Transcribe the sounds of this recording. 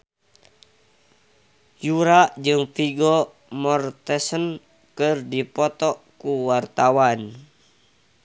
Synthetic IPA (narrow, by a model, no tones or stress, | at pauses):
juɾaʔd͡ʒɨŋpiɡɔ | mɔrt̪ɛsən | kɨrdipɔt̪ɔkuwart̪awan